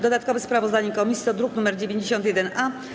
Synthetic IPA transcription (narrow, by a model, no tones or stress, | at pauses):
d̪ɔd̪at̪kɔvɛspɾavɔzd̪aɲɛkɔmʲisʲiɔd̪ɾuknumɛɾd͡ʑevʲjeɲd͡ʑeɕɔnt̪jɛd̪ɛna